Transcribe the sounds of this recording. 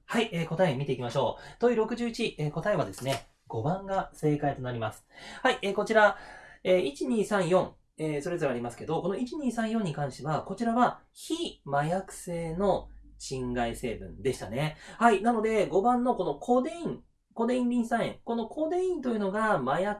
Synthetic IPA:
haiʔeːko̞t̪aemʲit̪e̞ikʲimaɕo̞ːt̪o̞jɯ̟ɾo̞kɯ̟ʑɨːit͡ɕieːko̞t̪aeβad̪e̞sɨne̞ | ɡ̥o̞bãŋɡase̞ːkait̪o̞naɾʲimasɨ̥haiʔeːko̞t͡ɕiɾaeːit͡ɕiɲ̟iːsãɰ̃jõ̞ŋ | eːso̞ɾe̞zoɾaɾʲimasɨ̥ke̞d̪o̞ko̞no̞it͡ɕiɲ̟iːsãɰ̃jõ̞ɲ̟ːikãɰ̃ɕt̪e̞βako̞t͡ɕiɾaβa | çimajakɯ̟̥se̞ːno̞ɕĩŋɡaise̞ːbɯ̟̰̃nd̪e̞ɕi̥t̪a̰ne̞hainano̞d̪e̞ɡo̞bãnːo̞ko̞no̞kʰod̪eĩŋ | ko̞d̪e̞ĩɲɾʲĩsãɰ̃ḛ̃ŋko̞no̞kʰo̞ːd̪e̞ĩnt̪o̞jɯ̟no̞ɡamaja

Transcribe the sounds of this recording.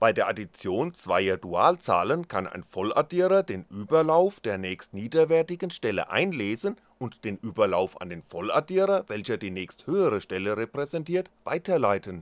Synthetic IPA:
b̥aɪdeːɐʔadit͡sjoːnt͡sv̥a̰ɪɐduaːlt͡sa̰ːlənkʰana̰ɪnfɔlʔa̰diːʁɐdeːnʔyːbɐlaʊfd̥eːɐnɛːçstniːdɐvɛɐtɪɡn̩ʃtɛlə̰ʔa̰ɪnleːzən | ʊntd̥eːnʔyːbɐlaʊfa̰ndeːnfɔla̰diːʁɐvɛlçɐdiːnɛːçsthøːəʁ̞əʃtɛləʁepʁ̥ɛzɛntiːɐtv̥a̰ɪtʰɐlaɪtən

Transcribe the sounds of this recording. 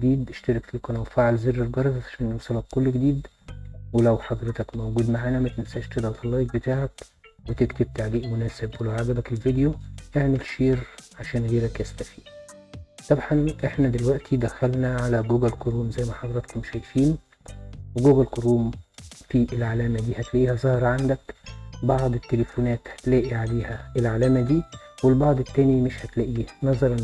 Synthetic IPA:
d̪iːd̪ʔeʃt̪ɑɾˤɑkfilqɑnæwfaʕalzerːelɡɑɾˤɑzˤʕaʕaʃæːnjowsˤɑlɑkːolːɡed̪iːd̪ | welæwħɑd̪ˤɾet̪ɑkmowɡuːd̪maʕaːnæmæt̪ensæːʔʃt̪ed̪ɑt̪ɑlːɑːjk̚bet̪aːʕæk | wet̪ekt̪eb̚t̪aʕdiːʔmonæːsebwelæwʕaɡæbækelvid̪ejoʔeʕmelʃeːɾʕaʃæːnɣiːɾækjæst̪æfiː | sˤɑbħɑnʔeħnæd̪elwæʔt̪ʰid̪æxælnæʕalæɡuːɡælqoɾuːmzæjːmæħɑd̪ˤɑɾˤɑt̪kmeʃæjfiːn | weɡuːɡælkoɾuːmfiːʔelʕalæːmæd̪iːhæt̪læʔiːhæzˤɑhɑɾˤɑʕand̪ækbɑʕd̪ˤet̪ːelefonæːt̪hæ̥t̪læːʔiʕaleːhæʔelʕalæːmæd̪iːwelbɑʕd̪ˤet̪ːæːnimeʃhæt̪læʔiːænɑzˤɑɾˤɑn

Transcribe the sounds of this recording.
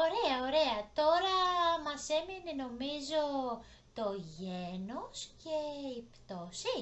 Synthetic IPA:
o̞ɾeɐoɾe̞ɐt̪o̞ɾɐmɐse̞mineno̞mizo̞ | t̪o̞ʝenosceipt̪osi

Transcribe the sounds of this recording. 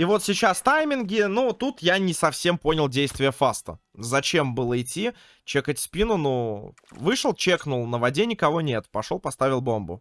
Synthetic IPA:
ivo̞t̪sʲɪt͡ɕast̪ajmʲɪnɡʲɪnut̪ut̪janʲɪsɐfsʲe̞mpo̞nʲɪlˠdʲejst̪vʲɪjəfast̪ə̰ | zɐt͡ɕe̞mbɨlˠəɪtʲːi | t͡ɕekətʲsʲpʲinʊnu | vɨʂəlˠt͡ɕeknʊlˠnəvɐdʲenʲɪkɐvo̞nʲe̞t̪pɐʂo̞lˠpɐst̪avʲɪlˠbo̞mbʊ̰

